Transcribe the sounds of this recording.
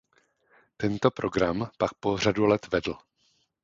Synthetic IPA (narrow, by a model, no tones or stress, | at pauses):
t̪ɛnt̪o̞pɾo̞ɡɾampak̚po̞r̝adulɛt̪vɛdl̩